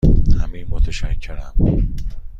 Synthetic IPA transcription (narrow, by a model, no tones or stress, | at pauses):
hæmiːmot̪ʰeʃæcʰːeɾæm